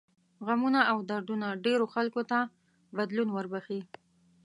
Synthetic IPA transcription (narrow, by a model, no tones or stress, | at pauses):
ɣamunaawd̪aɾɖunaɖeɾoxalkot̪a | bad̪lunwəɾbaxi